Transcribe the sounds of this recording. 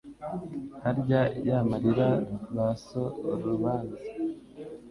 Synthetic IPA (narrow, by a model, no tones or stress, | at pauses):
haɾɟajamaɾiɾaβasoɾuβaːnzi